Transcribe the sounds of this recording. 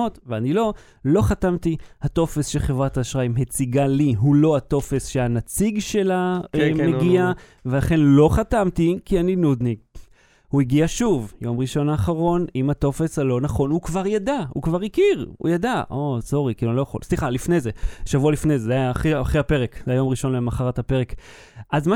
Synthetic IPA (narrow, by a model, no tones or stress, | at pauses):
otveanilo̞ | lo̞χatamt̪ihat̪o̞fe̞sʃeχevʁataːʃʁaimɦet͡siɡaliɦulo̞hato̞fe̞sʃeanat͡siɡʃe̞laemeɡia | ve̞laχe̞nlo̞χatamt̪ikianinud̪niɡ | huiɡiaʃuvjo̞mʁiʃo̞naːχaʁo̞nimat̪o̞fesalo̞naχo̞nukvaʁjadahukvaʁikiʁṵjadaʔoso̞ʁikilulo̞jaχo̞̰lsliχalifne̞jze̞ʃavualifnejzezeajaːχiːχehape̞ʁekzeajo̞mʁiʃo̞nlemaχaʁathape̞ʁe̞k | ʔazma